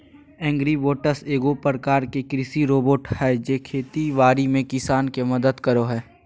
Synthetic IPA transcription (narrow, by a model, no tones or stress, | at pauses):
ɛ̃ːŋɡɾiboːʈəseːɡopɾəkaːɾkekɾɪsiɾoːboːʈhɛːd͡ʒeːkʰeːt̪iʋaːɾimẽkɪsaːnkemɐd̪əd̪kəɾoɦɛː